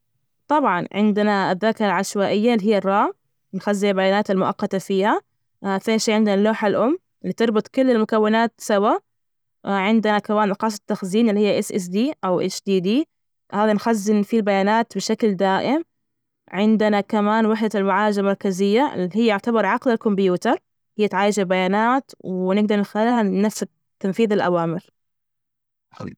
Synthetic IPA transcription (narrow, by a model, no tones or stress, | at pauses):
t̪ˤɑbʕɑnʕɪ̰nd̪ɪnaɪðːaːkɑɾˤɑlʕaʃwaːʔɪjːalːiɦɪjːarˤːɑː | nxazːɪalbajaːnaːt̪ɪlmʊʔɑ̰qːɑt̪afiːha | θeːnʃiːʕɪnd̪ɪnalːoːħalʔʊmː | ʔɪlːiːt̪ɨɾˤbʊt̪ˤkʊlːɪlmʊkawːɪnaːt̪sawa | ʕɪnd̪ɪnakawaːnlɑqɑːsˤɑ̥t̪ːaxziːnɪlːihɪjːaʔɪsʔɪs̬d̪iːʔawʔɪ̰t͡ʃd̪iːd̪iː | haːðanxazːɪnfilbajaːnaːt̪bɪʃakld̪aːʔɪm | ʕɪnd̪anakamaːnwɪħd̪almaʕaːɪd͡ʒalmɑɾˤkazɪjːaʔɪ̰lːihɪjːaʊʕt̪abɑɾˤʕɑqlalkʊmbjuːt̪ɑɾˤ | hɪjːat̪ʕaːjɪd͡ʒabajaːnaːt̪wnɪɡ̚d̪ɑɾˤnɪxalhaːafsa | t̪ːanfiːðalʔa̰waːmɪɾ